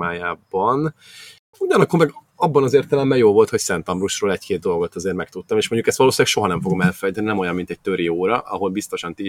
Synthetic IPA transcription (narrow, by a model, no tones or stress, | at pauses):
aːjaːbɒn | uɟɒnɒkːo̞rmɛɡ | ɒbːɒnɒzeːrt̪ɛlɛmbɛjjoːlvo̞lt̪ho̞csɛnt̪ɒmbruʃroːlɛckeːd̪̚d̪o̞lɡo̞t̪ɒzeːrmɛk̚t̪ut̪ːɒmeːʃmo̞ɲɟukɛst̪vɒloːsilɛkʃo̞ɦɒnɛɱfo̞ɡo̞mɛlfɛjt̪ɛninɛmo̞jɒmːint̪ɛc̚t̪øɾioːɾɒʔɒ̰ɦo̞lbist̪o̞ʃɒnt̪i